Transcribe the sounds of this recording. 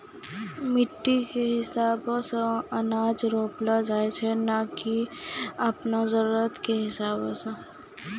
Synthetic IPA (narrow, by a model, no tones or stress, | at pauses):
mɪʈːikeɦɪsaːbsẽɐnaːd͡ʒɾoːplad͡ʒaːet͡ʃʰɛnakiɐpnazəɾuːɾət̪keɦɪsaːbõse